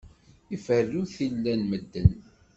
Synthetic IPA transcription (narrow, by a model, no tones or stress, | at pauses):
ifərːuθilːænməd̪ːən